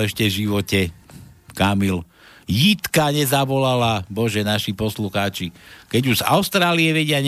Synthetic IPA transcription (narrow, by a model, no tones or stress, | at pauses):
ɛʃcɛvʒiʋɔcɛkamil | jit̪kaɲɛzaʋɔlalabɔʒɛnaʃipɔsluxaːt͡ʃikɛɟuza̰ʊst̪ɾaːliɛʋɛɟɪaɲ